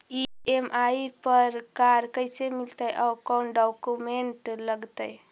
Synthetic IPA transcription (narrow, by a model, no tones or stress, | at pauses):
iemʔaipəɾkaɾkəjsemilt̪əjʔaːkɔnɖɔkumeɳʈləɡt̪əj